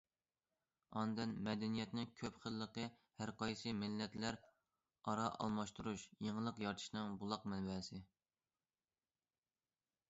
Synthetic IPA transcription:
ɑnd̪ɨnmɛd̪ɛnijɛt̪nɪŋkʲʰøpχəlˠːəqəhæɾqʰɑjsɨmɪlːɛt̪læɾ | ɑɾɑʔɑ̰lˠmɑʃt̪uɾuʃjeŋəlˠəqjɑɾt̪ʰɨ̥ʃnɨŋbulˠɑqmɛnbɛsɪ

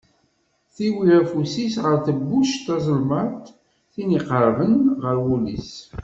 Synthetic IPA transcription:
θiwiɾæfusisʁəɾθəbːuʃt̪ɑzˤəlmət̪ | θiniqəɾˤvənʁəɾwulḭs

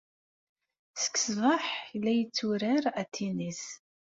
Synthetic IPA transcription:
sə̥kːsvˤɑħlːæjət͡sːuɾaɾæt̪ʰːinis

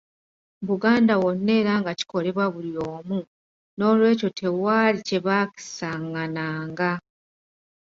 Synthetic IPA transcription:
βuɡaːndawo̞nːe̞ːɾaːŋɡaci̥ko̞le̞βwaβuljo̞ːmu | no̞ːlwe̞ːco̞tʰe̞waːlice̞βaki̥saŋːanaːŋɡa

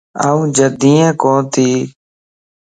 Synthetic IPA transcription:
a̰ːũːd͡ʒəd̪iːɛ̃ːkõːt̪ʰiː

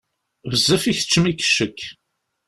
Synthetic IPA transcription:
vəzːæfiçə̥t͡ʃːəmikːə̥ʃːəkː

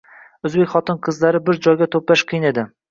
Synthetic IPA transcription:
ɵzbe̞kʲχɒt̪ɨnqʰɨzlaɾɪbɪɾd͡ʒɒjɡʲat̪ʰoplaʃqʰɨjɪne̞d̪ɪ

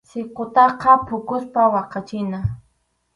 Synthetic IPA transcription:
sɪqot̪ɑqɑpʊkʊspawɑqɑt͡ʃɪna

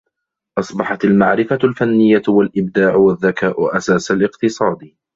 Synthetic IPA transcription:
ʔɑsˤbɑħɑt̪almaʕɾɪfalfanːɪjːawalʔɪbd̪aːʕʊwaðːakaːʔʊʔasaːsalɪqt̪ɨsˤɑːd̪

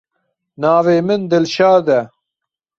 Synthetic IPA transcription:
naːveːmɪnd̪ɪlʃaːd̪ɛ

